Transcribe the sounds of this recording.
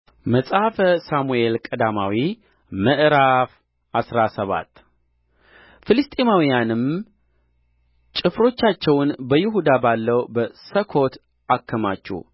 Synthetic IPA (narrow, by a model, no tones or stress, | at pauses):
məsʼafəsamue̞lkʼəd̪amawi | məʔɾaf | ʔasɾasəβa̰t̪ː | fɨlɨst̪ʼemawijanɨm | t͡ʃʼɪfɾo̞t͡ʃːat͡ʃːɛwnbəjɪɦud̪abalːəwbəsəkʰo̞t̪ | ʔakːəmat͡ʃːṵ